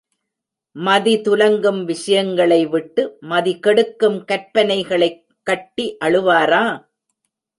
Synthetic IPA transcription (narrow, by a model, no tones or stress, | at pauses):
mɐðit̪ʊlɐŋɡɯmʋɪʂɐjɐŋɡɐɭɐɪʋɪʈːɯmɐðikɛɽɯkːɯmkɐɾpɐnɐɪɣɐɭɐɪ | kːɐʈːiʔɐɭɯʋaːɾaː